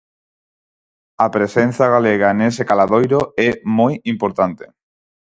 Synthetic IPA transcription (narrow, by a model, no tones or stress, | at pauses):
apɾesenθaɣaleɣ̞anesekalaðojɾoɛmojimpoɾt̪ant̪e